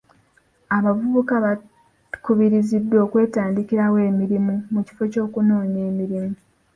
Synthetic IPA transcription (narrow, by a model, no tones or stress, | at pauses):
aβavuβukaβa | kuβiɾizidːo̞ːkwe̞ːtaːndikiɾawe̞ːmiɾimumuci̥fo̞co̞ːkuno̞ːɲe̞ːmiɾimu